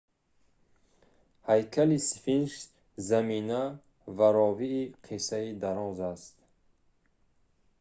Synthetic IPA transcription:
hajkʰalisfinʃ | zamina | vaɾɔviːqʰesaid̪aɾɔzast̪

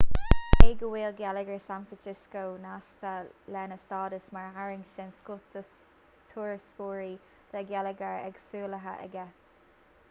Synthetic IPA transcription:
heːɡəwiːlɡɛləɡəɹsanfɹansɪskownaʃt̪ʰəlɛnəst̪ɑːdəsmaɹɦaɹɪŋʃɛnskʊt̪ə | t̪ʰuːɹskuːɹi | d̪̥əɡɛləɡəɹɛ̰ɡsuːləɦə̰ʔə̰ɡɛs

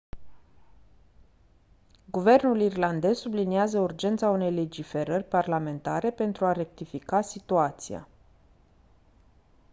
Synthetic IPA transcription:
ɡuve̞rnulirland̪e̞zsubliniazəurd͡ʒe̞nt̪saune̞jle̞d͡ʒife̞ɾərʲparlame̞nt̪a̰ɾe̞pe̞nt̪ɾuaɾe̞k̚t̪ifikasit̪uat̪sija̰

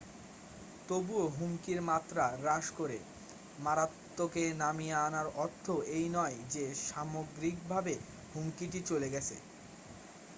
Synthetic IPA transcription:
t̪obuoɦuŋkiɾmat̪ːɾaɾaʃkoɾḛ | maɾat̪ːokenamijaanaɾɔɾt̪ʰːoʔejnɔed͡ʑeʃamoɡɾik̚bʱabe | huŋkiʈit͡ɕoleɡɛt͡ɕʰḛ

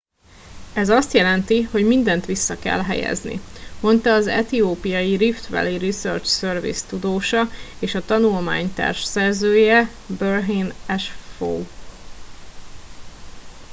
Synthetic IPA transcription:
ɛzɒst̪jɛlɛnt̪iho̞ɟmind̪ɛnt̪ʋisːɒkɛ̰lɦɛ̰jɛ̰znḭmo̞nt̪ɒːzɛ̰t̪ioːpijɒjiɾift̪ʋɛ̰lirisø̰rt͡ʃsørvḭst̪ud̪oːʃɒeːʃɒt̪ɒnulma̰ːɲt̪a̰ːrʃsɛrzøːjɛ | børɦinɛʃfo̰w

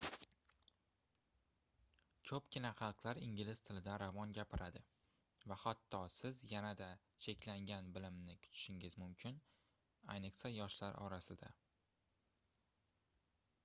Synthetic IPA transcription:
kʰɵpkʲɪnaχɑlˠqlˠaɾɪŋʲɪlɪst̪ʰɪlɪd̪aɾavɒnɡʲapʰɪɾʔad̪ɪ | vahat̪ːɒsɪzjanad̪a | t͡ʃʰe̞kʲlaŋɡʲanbɪlɪmnɪkʲʰʊ̥t̪ʰɪ̥ʃɪŋɪzmʊmkʲʰɪn | a̰jnɨqsajɒʃlaɾɒ̰ɾasɪd̪a

